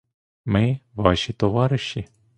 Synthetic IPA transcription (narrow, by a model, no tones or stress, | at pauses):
mɪʋɑʃit̪ɔʋɑɾɪʃːi